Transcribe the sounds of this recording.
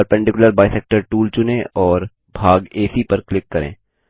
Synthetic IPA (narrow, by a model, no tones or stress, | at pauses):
ɾpɛ̃ɳɖɪkʊləɾbaːisɛːk̚ʈəɾʈuːlt͡ʃʊnẽɔːɾ | bʱaːɡeːsipɐɾklɪkːɐɾḛ̃ː